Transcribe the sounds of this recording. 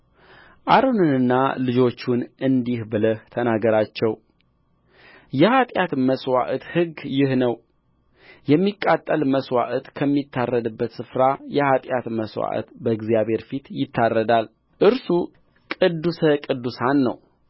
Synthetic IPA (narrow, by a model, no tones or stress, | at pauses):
ʔaɾonɨnɨnːalɨd͡ʒo̞t͡ʃːunʔɨnd̪ihbɨləht̪ʰənaɡəɾat͡ʃːɛw | jɛhat̪ʼjat̪məswa̰ʔət̪hɨɡjɪhnəw | jɛmːikʼːat̪ʼːəlməswa̰ʔət̪kʰəmːit̪ʰːarːəd̪ɨbːət̪sɨfɾajɛhat̪ʼjat̪məswa̰ʔə̰t̪bəɨɡzijaβhe̞ɾfit̪jɪt̪ʰːarːəd̪al | ʔɨɾsu | kʼɨd̪ːusəkʼɨd̪ːusanːə̰w